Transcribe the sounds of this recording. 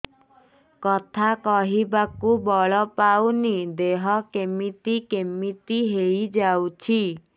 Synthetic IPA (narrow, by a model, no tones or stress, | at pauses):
kɔt̪ʰakɔɦibakubɔɭɔpawnid̪eɦɔkemit̪ikemit̪iɦejd͡ʒawt͡ʃʰi